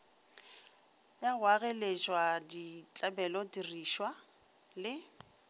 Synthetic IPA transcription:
jawaɣɛlet͡ʃwadit͡ɬʼabɛlɔdiriʃwa | lɪ

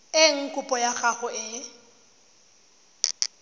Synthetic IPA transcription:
ɪŋ̩kʼʊpʼɔjaχaɣʊʔɪ

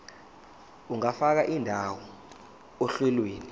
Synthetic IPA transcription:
uŋafak̬aʔindʱawɔ | ɔɬɛlweːni

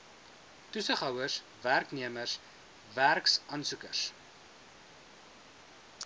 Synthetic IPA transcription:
tusəχɦɐwəs | værkniəmərs | værksɐnsukərs

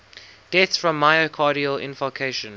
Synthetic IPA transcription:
d̥ɛtsfɹə̃mːaɪəkʰɑːɾiəlɪ̰̃nfɔlkʰeɪʃə̃n

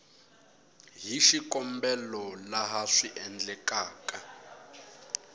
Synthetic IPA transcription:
ɦiʃikʼɔmbɛlɔlaɦaʂiʔɛnd͡ɮɛkʼaːkʼa

